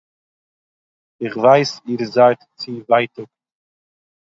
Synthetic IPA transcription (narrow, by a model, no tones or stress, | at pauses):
ɪχvaɪsiːɾzaɪtt͡sɪvaɪtʊk